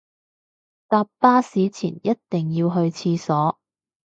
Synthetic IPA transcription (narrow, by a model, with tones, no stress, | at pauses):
t̪aː˧pːaː˥siː˨˥t͡sʰḭː˨˩njɐ˥t̚t̪ɪ˨ŋjiː˧wɦɵ˧ɥt͡sʰiː˧sɔː˨˥